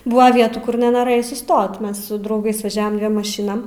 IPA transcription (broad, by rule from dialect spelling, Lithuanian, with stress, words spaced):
ˈbʊʋɐ ˈʋʲiɛtuː ˈkʊr nʲɛnoːˈrɘjɛɪ sʊˈstoːt ˈmʲɛs sʊ drɐʊˈɡɐɪs ʋɐˈʒʲæːʋɐm ˈdʲʋʲiɛm mɐˈʃʲɪnɐm